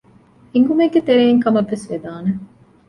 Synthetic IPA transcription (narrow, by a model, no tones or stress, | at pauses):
iŋɡumeɡet̪eɾeːiŋkɐmɐʋːesʋed̪aːne